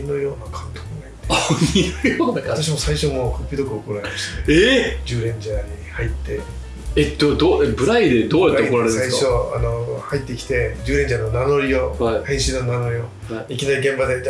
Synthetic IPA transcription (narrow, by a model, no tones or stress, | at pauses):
ino̞jo̞ːnakʰãnt̪okɯ̟nat̪e̥ | joat̪aɕ̬imo̞saiɕo̞mo̞kopʲːid̪o̞kɯ̟okoɾaɾemaɕi̥t̪aed͡ʑɨːɾẽ̞ɲ̟d͡ʑaɲʲihait̪ːe̞ | ed̪od̪oebɯ̟ɾaid̪e̞d̪oːjatɾaeikɾaɾesaiɕo̞ano̞hait̪ːe̞kʲi̥t̪e̞d͡ʑɨːɾẽ̞ɲd͡ʑano̞nano̞ɾʲio̞haihẽ̞ɰ̃ɕĩnːo̞nano̞ɾʲio̞ | ikʲinaɾʲiɡẽ̞mbad̪eit̪a